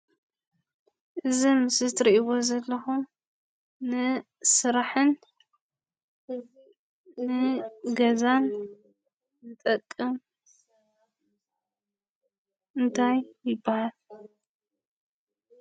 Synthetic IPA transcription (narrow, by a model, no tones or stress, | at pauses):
ʔɨzimɨsɨt̪ɾiʔiwo̞zɐlːɐxum | nɨ | sɨɾaħɨn | nɨɡɐzan | zɨt̪ʼɐkʼːɨm | ɨnt̪ʰajjɪbːahal